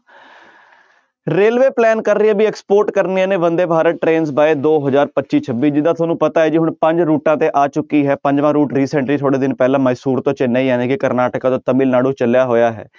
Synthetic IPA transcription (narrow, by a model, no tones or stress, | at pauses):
ɾeːlʋeːplɛːnkəɾːiãːbiːɛkspoːɾʈkəɾnijãːneːʋənd̪eːbʱaːɾəʈɾeːnzbaːeːd̪oːɦəzaːɾpətːt͡ʃiːt͡ʃʰəbːiːd͡ʒɪd̪aːt̪ʰaːnũːpət̪aːɦɛːd͡ʒiːɦʊɳpə̃ɲd͡ʒɾuːʈãːt̪eːʔaːt͡ʃʊkːiːɦɛːpəɲd͡ʒʋãːɾuːʈɾiːsɛ̃ɳʈɾiːt̪ʰoːɽeːd̪ɪnpɛːlãːməɪsuːɾt̪õːt͡ʃɪnaiːjãːnẽːkɪkəɾnaːʈəkãːt̪õːt̪əmiːlnaːɽõːt͡ʃəljaːɦoːjaːɦɛ̰ː